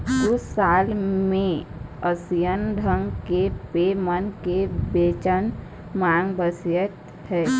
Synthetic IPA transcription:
ʊsːaːlmẽəsijənɖʱəŋɡkepemənkebeːt͡ʃən | maːŋɡbəsjət̪ | hɛː

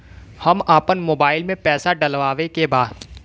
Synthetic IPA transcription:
hɐmaːpənmoːbaːɪlmẽpɛːsaɖɐlʋaːʋekebaːd̪

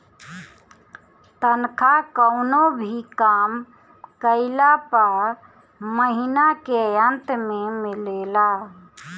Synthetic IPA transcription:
t̪ənkʰakəʊnobʱikam | kəɪlapəɾ | məɦinakejənt̪memilela

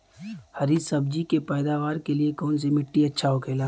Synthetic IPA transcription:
hɐɾiːzsɐb̚d͡ʒikepɛːd̪aːʋaːɾkeliekɔːns̬imɪʈːiɐtːʃʰaɦokʰeːlaː

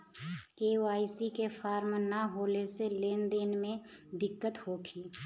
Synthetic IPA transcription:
keuaːisikefʰaːɾmnaɦoːleseleːnd̪eːnmẽ | d̪ɪkːət̪hokʰiː

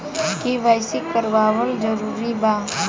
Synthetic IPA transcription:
kiʋajsɪkːəɾʋaːwəld͡ʒəɾuːɾibaː

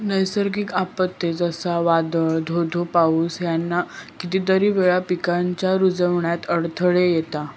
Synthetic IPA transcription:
nəjsəɾɡikapət̪ːed͡zəsaʋad̪əɭd̪ʱod̪ʱopauːsjanːakit̪iːt̪əɾiːʋeɭapikaɲt͡ɕjaɾud͡zəʋɳjat̪əɽt̪ʰəɭejet̪a

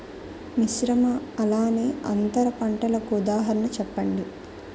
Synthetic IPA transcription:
niʃɾɐmɐɐlaːneːʔɐnt̪ɐɾɐpɐɳʈɐlɐkuud̪aːɦɐɾɐnɐt͡ʃɛpːɐɳɖi

